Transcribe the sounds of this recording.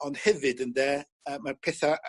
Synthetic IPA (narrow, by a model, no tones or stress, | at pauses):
ɔnd̥hɛvɨdəndɛː | əːmarpʰɛθa